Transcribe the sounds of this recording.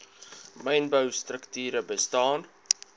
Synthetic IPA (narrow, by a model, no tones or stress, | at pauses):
mɛjnbəwstrəktyːɾəbəstɑːn